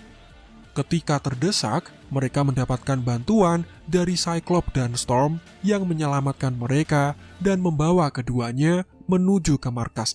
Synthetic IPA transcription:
kət̪ikat̪ərdəsa̰k̚ | məɾekaməndapat̪̚kanbant̪uan | daɾisajklɔp̚danst̪ɔrm | jaŋməɲəlamat̪̚kanməɾekadanməmbawakəduaɲamənud͡ʒukəmarkas

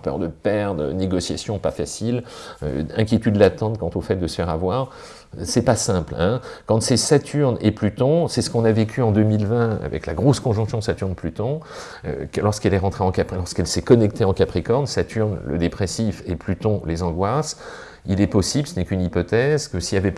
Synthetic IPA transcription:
pœ̰ʁd̪əpɛʁd̪ʁəneɡɔsjasjɔ̃pafasilø̰ɛ̃kʲjet̪yd̪lat̪ɑ̃t̪kɑ̃t̪ofɛt̪̚d̪əsə̥fɛʁavwaːʁ | sɛpasɛ̃plɛ̃kɑ̃t̪sɛsat̪ʰyʁneplyt̪ɔ̃sɛsə̥kɔ̃navekʲyɑ̃d̪ømilvɛ̃a̰vɛ̰kla̰ɡʁoskɔ̃ʒɔ̃ksjɔ̃sat̪yʁnplyt̪ɔ̃ | ø̰klɔʁskɛlɛʁɑ̃t̪χeɑ̃kaplɔʁskɛlsɛkɔnɛkt̪eɑ̃kapχekɔʁnsat̪ʰyʁnlə̰d̪epχesifeplyt̪ɔ̃lezɑ̃ɡwas | ilɛpɔsiblsənɛkynipɔt̪ɛzkəsijavɛp

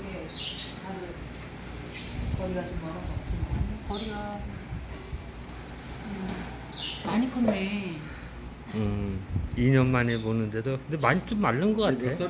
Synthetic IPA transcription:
ɡe | taɾɯ | kʌɾiɡat͡ɕomːʌɾʌpat͡ɕ͈imankʌɾiɡaom | ɯ | maɲikʰɯnːe | ɯ | iɲʌnmanemonɯnde̞dokɯndemaɲit͡ɕ͈omːaɭːɯnɡʌk͈atʰeo

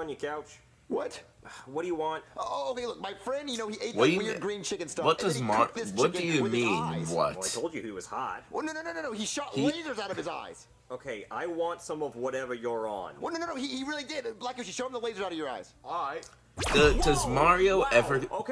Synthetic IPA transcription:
ɨ̃njɨkʰaʊt͡ʃ | wʌt̚wʌt̚d̥ɨjɨwɑ̃nt̚ooʊoʊkeɪlʊk̚maɪfɹɛ̃ndjɨnoʊhiʔeɪtwʌəɡɹĩnt͡ʃʰɪkɨ̃nstʌwʌt̚d̥ʌzmɑðɪwʌt̚d̥ɨjɨmĩnwʌ̰taɪtʰoʊlˠd͡ʒɨiwʌz̥hɑ̰t̚noʊnoʊnoʊnoʊ̃noʊiʃɑʔleɪzə˞zaʊɾʌv̥ɨza̰ɪz̥ | oʊkʰeɪaɪwɑ̃ntsʌ̃mʌvwʌɾɛvə˞jə˞ə̰̃nnõʊnõnoʊihiɹɪlˠidɪdlaɪkjəʃi̥ʃoʊ̃mðəleɪzə˞aʊɾʌvjə˞a̰ɪz̥ɔaɪt̚ | dədʌzmɑɹioʊʔɛvioʊk

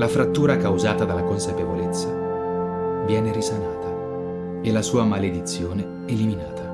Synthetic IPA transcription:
lafɾat̪ːuːɾakawzaːt̪ad̪alːakonsapevolet̪sːa | vjɛːneɾisanaːt̪a | elasuːamaled̪it̪sːjoːne | eliminaːt̪ʰa

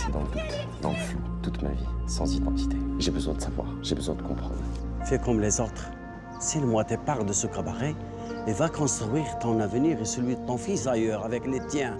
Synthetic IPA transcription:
sɛd̪ɑ̃ləd̪ut̪ | d̪ɑ̃ləflot̪ut̪ma̰visɑ̃zid̪ɑ̃t̪i̥t̪eʒebəzwɛ̃d̪əsavwa̰ʁʒebəzwɛ̃d̪əkɔ̰̃pχɑ̰̃d̪ʁfɛkɔmlezot̪χ | siləmwat̪ɛpaʁd̪əsɔkabaʁɛ | evakɔ̃st̪χɥiʁt̪ɔ̃navəniʁesəlɥid̪ət̪ɔ̃fisajœʁavɛklet̪jɛ̃

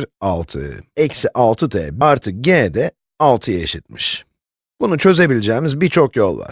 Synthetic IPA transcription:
ɾalˠt̪ʰɯ̰ɛcsiʔalˠt̪ʰɯd̪ʰɛbaɾt̪ʰɯk̚ɟenɛd̪ɛ | alˠt̪ʰɯjeʃit̪̚miʃ | b̥unut͡ʃʰø̞ze̞bilʲed͡ʒɛːmizbiɾt͡ʃʰokjo̞lˠva̰ɾ

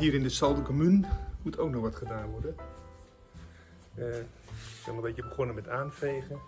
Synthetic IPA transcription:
ɦiːəɾɪndəsɑlˠdəkomynmutʰowk̚nɔχʋɑtχədaːnʋɔrdən | sɔmadɛtjəbəχɔnəmɛtaːnfejɣə

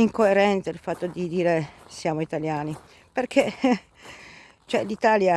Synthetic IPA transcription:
iŋkoeɾɛnt̪sailfat̪ːod̪id̪iːɾesjaːmoit̪aljaːni | perkʰe | t͡ʃɛlit̪aːlja

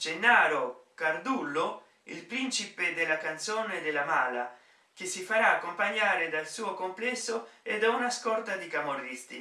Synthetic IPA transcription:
d͡ʒenːaːɾokard̪ulːo | ilpɾint͡ʃiped̪elːakant̪soːned̪elːamaːla̰ | k̟esːifaɾaːkːompaɲːaːɾed̪alsuːokomplɛsːoed̪ːaunaskɔrt̪ad̪ikamorːist̪ḭ

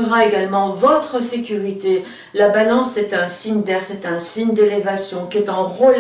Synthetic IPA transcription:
əʁaeɡalmɑ̃vɔt̪χəsekʲyʁit̪e | labalɑ̃sɛt̪ɛ̃siɲd̪ɛʁsɛt̪ɛ̃siɲd̪elevasjɔ̃kʲiɛt̪ɑ̃ʁɔl

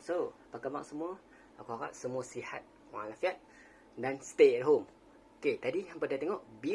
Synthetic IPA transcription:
sopakama̰ʔsəmuə | akuaɣa̰ʔ̚səmũəsiha̰t̪̚ | wa̰lafiat̪̚ | danst̪eɛt̚ɦom | oket̪adijãpədat̪eŋɔʔbi

